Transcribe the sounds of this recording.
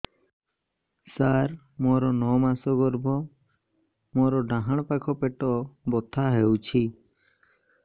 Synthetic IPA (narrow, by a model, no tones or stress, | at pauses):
saɾ | mɔɾɔnɔmasɔɡɔɾbʱɔ | mɔɾɔɖãɦaɽ̃pakʰɔpeʈɔbɔt̪ʰaɦewt͡ʃʰi